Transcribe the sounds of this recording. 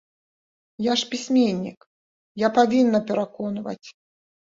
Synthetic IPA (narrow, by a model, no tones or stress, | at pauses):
jaʂpʲisʲmʲenʲːḭk | japavʲinːɐpʲɛɾakɔnvɐ̰t͡sʲ